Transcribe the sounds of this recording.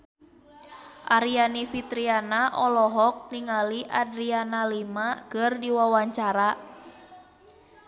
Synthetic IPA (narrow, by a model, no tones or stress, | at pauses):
ʔaɾianifit̪ɾianaʔɔlɔɦɔk̚niŋaliʔadɾianalimaɡ̥ərdiwawaɲt͡ʃaɾa